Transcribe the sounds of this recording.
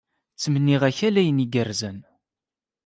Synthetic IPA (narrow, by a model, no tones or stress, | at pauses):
t͡sːmənːiʁæçælæjəniɡəɾzən